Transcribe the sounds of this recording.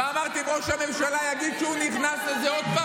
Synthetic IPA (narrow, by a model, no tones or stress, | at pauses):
amaʁt̪iimʁo̞ʃhame̞mʃalajaɡid̪ʃɛuniχnaslezeod̪̚pa